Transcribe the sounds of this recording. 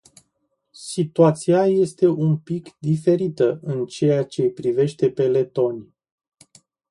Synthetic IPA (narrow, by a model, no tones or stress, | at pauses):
sit̪uat̪siaje̞st̪e̞ʔumpikd̪ife̞ɾit̪əɨnt͡ʃe̞jat͡ʃe̞pɾive̞ʃt̪e̞pe̞le̞t̪o̞nʲ